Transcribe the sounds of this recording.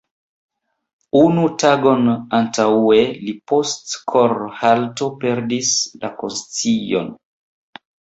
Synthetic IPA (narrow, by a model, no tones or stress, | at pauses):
unutaɡo̞nantae̞lipo̞stkʰoɾhalto̞pe̞ɾdisla̰ko̰nst͡sijo̞̰n